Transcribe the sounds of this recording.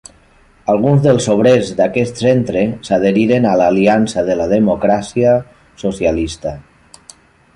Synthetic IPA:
alˠɣ̞unzðelˠsoβ̞ɾezd̪akɛst̪sent̪ɾesað̞eɾiɾenalaːliansaðelað̞emokɾasia | sosjalist̪a

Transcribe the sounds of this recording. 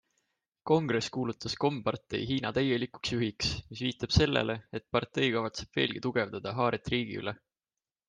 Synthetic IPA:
ko̞ŋɡ̥re̞skuːlut̪ːˑɑsko̞mpɑrt̪ˑe̞̰jɦiːnɑt̪æje̞liku̥ksjyɦiksmisviːt̪ːˑɑb̥se̞lːḛle̞et̪̚pɑrt̪e̞jkɑvɑt̪se̞b̥ve̞ːlɡ̥it̪uɡ̥e̞vd̪̥ɑd̪̥ɑɦɑːɾet̪ˑriːɡ̥ḭy̰le

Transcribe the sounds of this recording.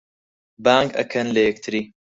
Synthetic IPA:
baːŋɡɐ̰kʰɐnlɐjɐk̚t̪ʰɨɾiː

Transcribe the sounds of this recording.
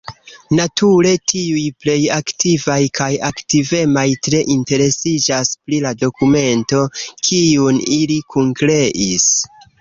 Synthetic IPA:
natʰuɾe̞tʰiujple̞jaktivajkʰajaktive̞majtɾe̞ʔinte̞ɾe̞sid͡ʒaspɾilado̞kume̞nto̞kʰiunilikʰuŋkɾe̞ʔis

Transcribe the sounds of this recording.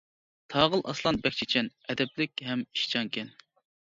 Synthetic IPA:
t̪ʰɑːʁəlˠʔɑ̰slˠɑnbɛk̚ʲt͡ʃʰit͡ʃʰɛnɛd̪ɛplɪkʲɦɛmi̥ʃt͡ʃʰɑŋkʲʰɛn

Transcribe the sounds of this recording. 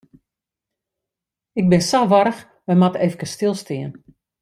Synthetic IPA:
ɪɡ̚bɪnsaʋɔɾəx | ʋɛjmatefəkəstɪlˠstiən

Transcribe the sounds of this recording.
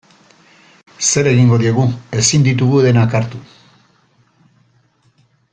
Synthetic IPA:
se̞ɾe̞ɣiŋɡo̞ðie̞ɣue̞sind̪it̪̬uɣuðe̞nakaɾt̪u

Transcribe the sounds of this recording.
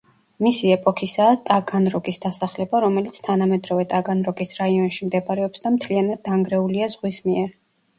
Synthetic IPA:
misiɛpʼɔkʰisaːt̪ʼaɡanɾɔɡisd̪asaχlɛbaɾɔmɛlit̪sʰt̪ʰanamɛd̪ɾɔvɛt̪ʼaɡanɾɔɡisɾaiɔnʃimd̪ɛbaɾɛɔpsd̪amt̪ʰlianad̪̚ːaŋɡɾɛuliazʁwismiɛɾ

